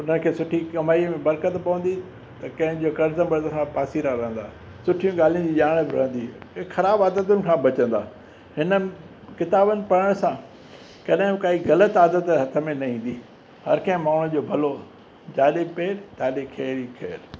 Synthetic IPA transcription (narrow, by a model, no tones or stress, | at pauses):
ʊn̤ənkʰeːsʊʈʰikɐmaːimẽbɐɾkət̪pɐʋə̃nd̪i | t̪ɐkɐ̃ɦɪ̃d͡ʑoːkɐɾzə̃bɐɾd̪kʰãpaːsiɾaɾɐɦə̃nd̪a̰ː | sʊʈʰijũɠaːl̤ijũd͡ʑiːʄaːɽ̃bɪɾɐ̰ɦə̃nd̪ixɐɾaːbaːd̪ət̪ʊnɪ̆kʰãːbɐt͡ɕə̃nd̪aː | hɪnə | kɪt̪aːbənɪ̆pɐɽəɽ̃sã | kɐɗɦɪ̃kaːiɣɐlət̪aːd̪ət̪ɦɐt̪ʰə̆mẽnɐĩːn̆d̪iː | hɐ̰ɾkɐ̃ɦɪ̃maːɳ̤ʊ̃d͡ʑoːbʱɐlo | d͡ʑaːɗepeːɾt̪aːɗekʰeːɾikʰḛːɾ